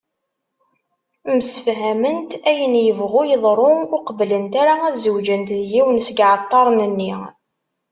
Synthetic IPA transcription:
məsə̥fɦæmənt̪æjənjəvʁujəðˤɾˤʊʊqəblənt̪aɾaæðzəwd͡ʒənt̪ðjiwnsəɡʕɑt̪ˤːɑɾˤnənːi

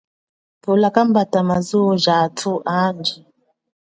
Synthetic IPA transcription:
pulakam̩batamazuɔʒatʰuʔand͡ʒi

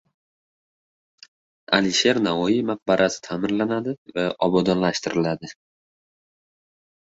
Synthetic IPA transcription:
a̰lɪʃe̞ɾnavɒimaq̚baɾʔasɪ̥t̪ʰamɪɾlanad̪ɪvaʔɒbɒd̪ɒnlaʃt̪ɪɾɪlad̪ɪ

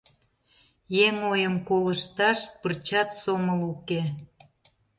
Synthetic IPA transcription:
jeŋojəmkoləʃt̪ɑʃpərt͡ɕɑt̪soməluke

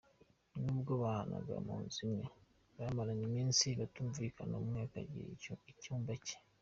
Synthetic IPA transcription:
nuβɡoβana̰ɡa̰muːnzimɲe | βamalanimiːnsiβatuɱvikʰanomuŋeka̰ɟḭɾecuːmbace̥

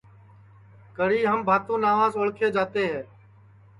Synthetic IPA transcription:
kəɽiːɦəmbʱaːt̪õːnaːʋaːzoɭkʰeːd͡ʒaːt̪eːɦɛː

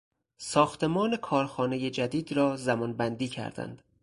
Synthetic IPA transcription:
sɒːxt̪ʰe̞mɒːne̞kʰɒːɾxɒːneje̞d͡ʒæd̪iːd̪ɾɒːzæmɒːnbænd̪iːcʰæ̰ɾd̪æ̰nd̪̥

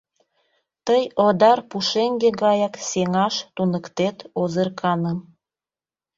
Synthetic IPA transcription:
t̪əjod̪ɑrpuʃeŋɡeɡɑjɑkseŋɑʃt̪unəkt̪et̪ozərkʰɑnəm

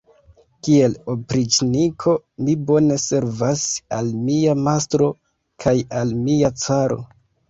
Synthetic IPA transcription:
kie̞lo̞pɾit͡ʃnikʰo̞mibo̞ne̞se̞ɾvasalmiamastɾo̞ | kʰajalmiat͡saɾo̞̰

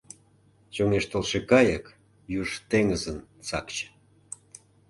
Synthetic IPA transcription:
t͡ɕoŋeʃt̪olʃekɑjək | juʒt̪eŋəzənt͡sɑkt͡ɕ

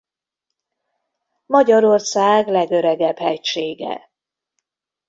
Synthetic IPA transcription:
mɒɟɒɾo̞rsaːɡlɛɡøɾɛɡɛbhɛcʃeːɡɛ̰

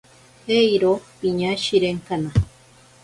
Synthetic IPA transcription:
hejɾopiɲaʃiɾeŋkana

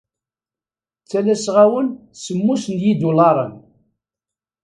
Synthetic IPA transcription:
t͡sːælæsʁawənsəmːusənjid̪ulɑɾˤən

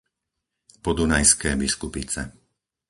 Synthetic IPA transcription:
pɔd̪unajskɛːbiskupit͡sɛ̰

